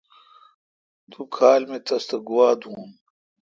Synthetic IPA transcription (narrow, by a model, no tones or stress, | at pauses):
t̪ukʰaːlmet̪ɐst̪ɐɡuwaːd̪ũːn